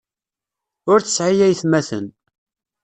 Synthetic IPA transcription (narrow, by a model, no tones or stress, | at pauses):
ʊɾθə̥sʕijæjθmæθə̰n